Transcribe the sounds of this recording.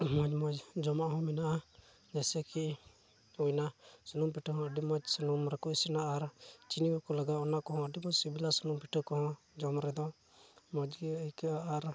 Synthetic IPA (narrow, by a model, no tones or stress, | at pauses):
mɔd͡ʒmɔd͡ʒd͡ʒɔmaʔɦɔ̃mɛnaʔa | ɲɛsɛki | ujnasunumpiʈɔɦɔ̃əɖimɔd͡ʒsənumɾɛkɔisɛnaːɾt͡ʃiniɡɔkɔləɡaɔnakɔɦɔ̃əɖimɔd͡ʒsibilasənumpiʈʰɔkɔɦɔ̃ | d͡ʒɔmɾɛd̪ɔ | mɔd͡ʒɡɛəjkaaːɾ